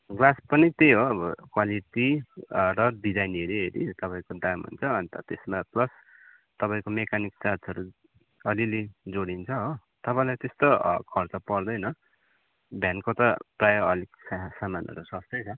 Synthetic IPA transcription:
ɡlaspʌnit̪ejɦoʌbʌkwaliʈirʌɖid͡zajneɾiɦeɾḭt̪ʌpaĩkodamɦṵnt͡sʰʌːnit̪ʌt̪esmaplʌs | t̪ʌpaĩkomekaniksat͡sʌɾu | ʌliled͡zoɽint͡sʰʌɦo | t̪ʌpãĩlat̪est̪okʰʌrt͡sʌpʌrd̪ʌjnʌ | bʱjankot̪ʌprajʌʌliksasamanʌ̰ɾusʌst̪ʌt͡sʰʌ

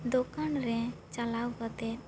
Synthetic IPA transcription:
d̪okanɾɛ̃t͡ʃalawkət̪ɛ

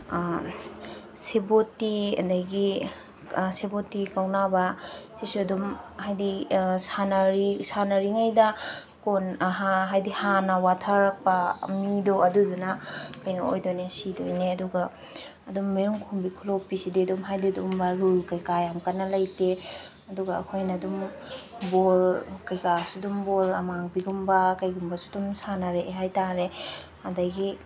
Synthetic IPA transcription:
sebotiɐ̰dɐɡi | sebotikawnabɐsisuɐdumhajdisanɐɾisanɐɾiŋajdɐ | konaɦaɦajdihanɐwatʰaɾɐk̚pɐmidoɐdudunɐkɐjnɐo̰jdonesidojneɐduɡaː | dumːiɾuŋkʰumbikʰulopisididumɦajdidumbaɾulkɐjkajamkɐnːɐlɐjte | ɐduɡa̰ːkʰojnɐdum | bolkɐjkasudumbolɐ̰maŋbiɡumbɐkɐjɡumbɐsudumsanaɾeʔeɦajtaɾe | hadajɡi

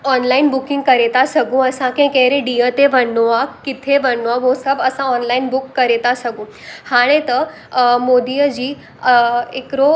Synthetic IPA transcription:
ɔnlainbukĩŋɡ̚kəɾɛt̪asəɡũəsãkẽkẽɦɾeɖijət̪eʋəɳːuʋakkːit̪ʰeʋəɳːʋaɦosəbəsãɔnlainbukːəɾɛt̪asəɡũ | haɽ̃ẽt̪ə | mod̪ijəd͡ʑiː | ekɾo

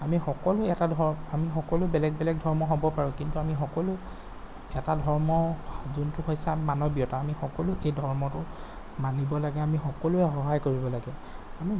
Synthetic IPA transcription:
amixɔkɔlʊɛtadʱɔamixɔkɔlʊbɛlɛɡ̚bɛlɛɡ̚dʱɔɹmɔɦobɔpaɹũkintuamixɔkɔlʊ | ɛtadʱɔɹmɔzuntʊxojsamanɔbiɔtaːmixɔkɔlʊʔejdʱɔɹmɔtʊ | manibɔlaɡɛamixɔkɔlʊɛɦɔɦajkoɹibɔlaɡɛami

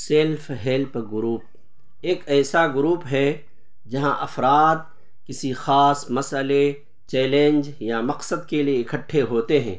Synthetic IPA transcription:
selfɦɛlpɡʊɾuːp̚ | eːkɛːsaɡʊɾuːpɦɛ | d͡ʒɐɦãʔɐfɾaːd̪̚ | kɪsixaːsmɐsəle | t͡ʃɛːlẽnd͡ʒjamɐqsəd̪kelieɪkəʈʰːeɦoːt̪eɦɛ̰̃ː

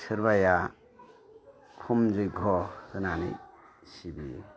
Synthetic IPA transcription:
sɯɾβaja | kʰumd͡ʒɯjɡʱɔdɯnanḭ | sibijḛ

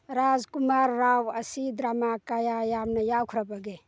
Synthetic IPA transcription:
ɾazkumaɾːawɐsid̪ɾamakajajamnɐjawkʰuɾabɐɡe

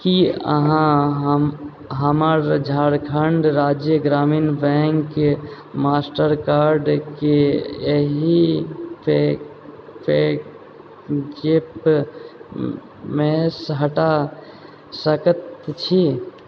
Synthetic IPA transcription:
kiə̰ɦãɦ | ɦəməɾd͡ʒʱaːɽkʰəɳɖɾaːd͡ʒjəɡɾaːmiːnbɛ̃ŋk | maːsʈəɾkaːɾɖkeəɦipe | pe | d͡ʒep | mẽsɦəʈa | səkət̪t͡ʃʰi

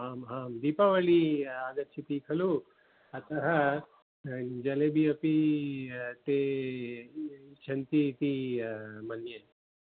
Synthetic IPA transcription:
ɦaːmɦaːmd̪iːpaʋɐɭiaːd̪ɐɾt͡ʃʰit̪iːkʰɐlu | ɐt̪ɐɦɐ | d͡ʒɐlebiɐpi | t̪e | t͡ʃʰɐnt̪it̪i | mɐnjɐ

